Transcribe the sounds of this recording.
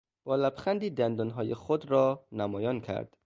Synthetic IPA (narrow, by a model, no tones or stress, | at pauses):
b̥ɒːlæbxænd̪iːd̪ænd̪ɒnɦɒːjexod̪ɾɒːnæmɒːjɒːnkʰæ̰ɾd̪̥